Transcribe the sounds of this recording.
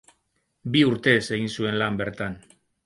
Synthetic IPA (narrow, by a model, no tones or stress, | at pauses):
biuɾt̪e̞se̞ɣinsue̞nlambe̞ɾt̪an